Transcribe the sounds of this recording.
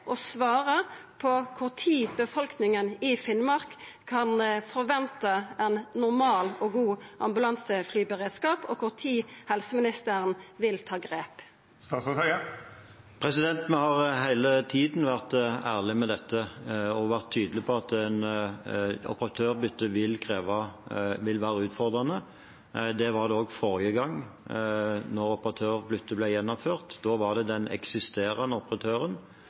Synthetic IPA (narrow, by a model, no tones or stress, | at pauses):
ʔɔsʋɑːʁəpʰɔkʰʊʁt̪ʰiːbəfɔlknɪŋənɪfɪnmɑʁkkʰːɑnfɔɾʋɛnt̪əɛnnʊʁmɑːlɔɡuːʔɑ̰mbʉlɑnsəflyːbəʁeːd̪skɑːpɔkʰʊʁt̪ʰiːhɛlsəmɪnɪst̪əʁənʋɪlt̪ʰɑːɡʁeːp | st̪ɑːt̪sɔt̪œə | pʰʁɾɛsɪd̪ɛnt̪mɛhɑʁɦæɪlət̪ʰiːd̪n̩ʋæʁt̪æːʁlɪmɛd̪ɛt̪ːəɔʋæʁt̪ʰːyːd̪lɪpʰɔɑt̪ɛn | ɔ̰pəʁɑt̪ʰøːʁbʏt̪ːəʋɪlkʰʁeːʋɑʋɪlʋæːʁəʉːt̪fɔʁd̪ʁɑnə | d̪ɛʋɑʁd̪ɛoːɡfɔʁɪəɡɑŋː | nɔʁɔpəʁɑt̪ʰøːʁbʏt̪ːəblɛjɛnːɔmføːʁt̪d̪̥oːʋɑʁd̪ɛd̪ɛnɛ̰ksɪst̪eːɾɑnəɔpəʁɑt̪ʰøːɾən